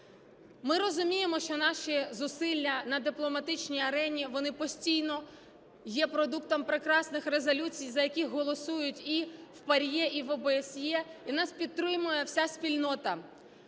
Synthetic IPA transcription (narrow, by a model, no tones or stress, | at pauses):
mɪɾɔzʊmʲijemɔʃt͡ʃɔnɑʃizʊsɪlʲːɐnɐd̪ɪplˠɔmɐt̪ɪt͡ʃnʲijɐɾɛnʲiʋɔnɪpɔsʲtʲijnɔ | jɛpɾɔd̪uk̚t̪ɔmpɾɪkɾɑsnɪxɾezɔlʲut͡sʲijzɐjɐkʲixɦɔlˠɔsujʊtʲiwpɐɾʲjɛʔiʋɔbeesʲjɛinɑspʲid̪̚ɾɪmʊjɛwsʲasʲpʲilʲnɔt̪ɐ